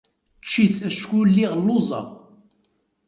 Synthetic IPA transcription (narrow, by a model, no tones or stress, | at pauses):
t͡ʃːiθæʃkulːiʁlːozˤɑ̰